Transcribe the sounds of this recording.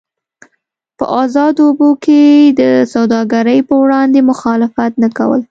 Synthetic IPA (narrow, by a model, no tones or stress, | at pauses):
pə̰ʔɑzɑd̪obokʰed̪əsawd̪ɑɡaɾəjpəwɽɑnd̪emʊxɑlɪfat̪naka̰wə̰l